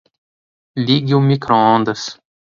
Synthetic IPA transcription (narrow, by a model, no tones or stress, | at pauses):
liɡɪʊmikɾoõnd̪ɐs